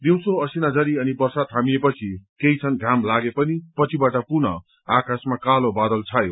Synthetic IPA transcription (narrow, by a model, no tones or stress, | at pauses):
d̪iw̃soʌsinad͡zʌɾiʌnipʌrsad̪̚kʰamijepʌt͡sʰikejt͡sʰʌnɡʱamlaɡepʌnipʌt͡sʰibaʈʌpunʌ | akasmakalobad̪ʌlt͡sʰajo